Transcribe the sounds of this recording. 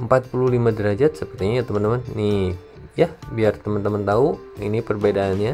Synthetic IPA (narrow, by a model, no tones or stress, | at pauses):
əmpat̪̚pululimadəɾad͡ʒat̪̚səpərt̪iɲaat̪əmant̪əmanːi | jabiart̪əmənt̪əmənt̪au | inipərbedaːnɲa